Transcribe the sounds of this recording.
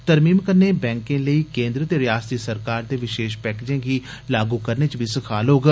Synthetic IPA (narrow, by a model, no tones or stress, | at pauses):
t̪əɾmiːmkəɾneːbɛ̃ːŋkẽːləiːkẽːnd̪ɾət̪eːɾɪjaːst̪iːsəɾkaːɾd̪eːʋɪʃeːʃpɛːkːd͡ʒẽːɡiːlaːɡuːkəɾneːt͡ʃbʱiːsəkʰaːlɦoːɡ